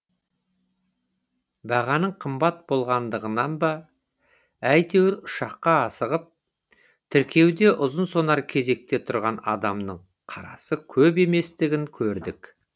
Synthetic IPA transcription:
bɑʁɑnəɴqʰəmbɑt̪̚bo̞lˠʁɑnd̪əʁənɑnb̪ɑ | æjt̪ʰe̞wɪɾʊʃɑqːɑɑsəʁəp̚ | t̪ʰɪɾkʲe̞wd̪e̞ʔʊzənso̞nɑɾkʲʰe̞ze̞k̚t̪e̞t̪ʰʊɾʁɑnɑ̰d̪ɑmnəɴ | qʰɑɾɑ̰səkʲʰɵbe̞me̞st̪ɪɡʲɪŋkʲʰɵɾd̪ɪk

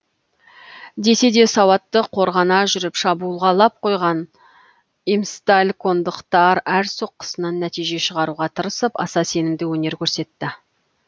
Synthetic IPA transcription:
d̪e̞se̞d̪e̞sɑwɑt̪ːəqʰo̞ɾʁɑnɑʒʏɾɪpʃɑbuːəlˠʁɑlˠɑp̚qʰo̞jʁɑn | imst̪alʲko̞nd̪əqt̪ɑɾæɾso̞qːə̥sənɑnːæt̪ijʒe̞ʃəʁɑɾuʁɑt̪ʰəɾəsəpɑ̰sɑse̞nɪmd̪ɪwɵne̞ɾkʲʰɵɾse̞t̪ːɪ

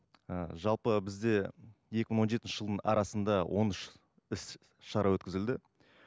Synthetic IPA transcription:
əʒɑlˠpəbɪzd̪e̞je̞kʲɪməɴwoʒe̞t̪ɪnʃɪʒəlˠd̪əɴɑ̰ɾɑsənd̪ɑwʔo̞nɪʃ | ɪs | ʃɑɾɑwɵt̪kʲɪzɪld̪ɪ

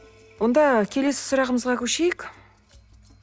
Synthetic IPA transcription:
wo̞nd̪ɑkʲʰe̞le̞sɪ̥sʊɾɑʁəməzʁɑkʲʰɵʃe̞jɪk

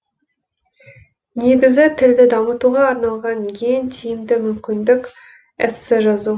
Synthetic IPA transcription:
ne̞ɡʲɪzɪt̪ʰɪld̪ɪd̪ɑmət̪uʁɑːɾnɑlˠʁɑnjeŋt̪ʰijɪmd̪ɪmʏmkʲɪnd̪ɪkʲ | æt̪sɪʒɑzu

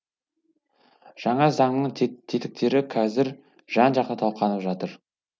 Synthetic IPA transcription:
ʒ̥ɑɴɑzɑɴnəɴt̪ʰet̪ɪ̥k̚t̪e̞ɾɪqʰɑzɪɾ | ʒ̥ɑnʒɑqt̪ət̪ʰɑlˠqʰɑnəpʒɑt̪əɾ

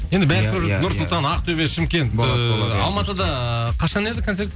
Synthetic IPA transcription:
je̞nd̪ɪbæɾɪkʰɵɾnʊɾsʊlt̪ɑnɑqt̪ʰɵβe̞ʃɪmkʲe̞nt̪ˠoɑlˠmɑt̪əd̪ɑqʰɑʃɑne̞d̪ɪkʰonse̞ɾt̪

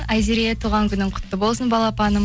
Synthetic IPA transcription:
ajziɾijet̪ʰuʁɑŋkʲʰʏnɪɴqʰʊ̥t̪ːəbo̞lˠsənbɑlˠɑpɑnəm

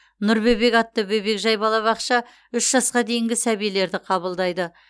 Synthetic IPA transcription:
nʊɾbejbe̞kɑt̪ːəbɵjbe̞kʒɑjbɑlˠɑβɑqʃɑ | ʏʃʒ̥ɑsqɑd̪e̞jɪŋɡʲɪsæβijele̞ɾd̪ɪqʰɑβəlˠd̪ɑjd̪ə

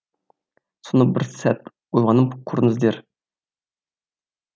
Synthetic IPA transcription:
sonəbɪɾsæt̪ | ojʁɑnəmqʰuɾnəzd̪eɾ

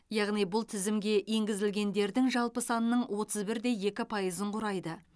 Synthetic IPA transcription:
jɑʁnijbʊlˠt̪ʰɪzɪmɡʲe̞ʔje̞ŋɡʲɪzɪlɡʲe̞nd̪e̞ɾd̪ɪŋʒɑlˠpəsɑnənəɴwo̞t̪ʰəzbɪɾd̪e̞je̞kʲɪpʰɑjəzəɴqʰʊɾɑjd̪ə

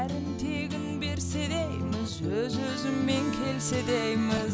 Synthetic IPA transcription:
æɾɪnt̪ʰe̞ɡʲɪnbe̞ɾse̞d̪ejmɪzwɵzɵzɪmːe̞ŋkʲʰe̞lse̞d̪ejmɪz

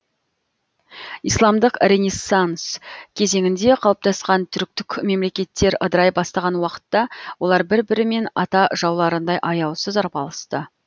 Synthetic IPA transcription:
ijslˠɑmd̪əqɾʲenʲesːanskʲʰe̞ze̞ŋʲɪnd̪e̞qʰɑlˠəp̚t̪ɑsqɑnt̪ʰʏɾk̚t̪ɪkʲme̞mle̞kʲe̞t̪ːe̞ɾə̰d̪əɾɑjbɑst̪ɑʁɑnwɑqə̥t̪ːɑwolˠɑɾbɪɾbɪɾɪme̞nɑt̪ɑʒɑwlˠɑɾənd̪ɑjʔɑjɑwsəzɑɾpɑlˠəst̪ə

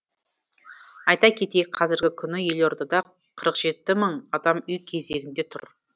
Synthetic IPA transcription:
ɑjt̪ɑkʲʰe̞t̪e̞kqʰɑzɪɾɡʲɪkʲʰʏnɪje̞loɾd̪ɑd̪ɑ | qʰəɾəqʒ̥e̞t̪ːɪməɴɑd̪ɑmʏjkʲʰe̞z̞e̞ɡʲɪnd̪e̞t̪ʰʊ̰ɾ

